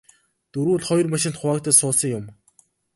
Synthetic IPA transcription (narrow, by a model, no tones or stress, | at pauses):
t̪ɵɾuːɮχɔj̆rmaʃɪ̆nt̪χʊaːk̚t̪æːsʊːsə̆jʊm